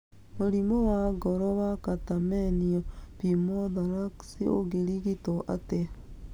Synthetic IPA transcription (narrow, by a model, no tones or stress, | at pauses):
moɾimɔwaɡɔɾɔwakatamɛniɔpimoðaɾaksio̰ɣeɾiɣitoʔa̰te